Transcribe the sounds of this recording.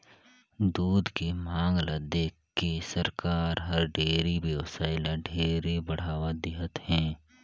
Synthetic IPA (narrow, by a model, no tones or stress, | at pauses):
d̪uːd̪kemãːŋɡlad̪eːkkːesəɾkaːɾɦɐɾɖeːɾibjəʋsaːɪlãɖʱeːɾebɐɽ̤aːʋad̪ɪɦət̪hɛ̃ː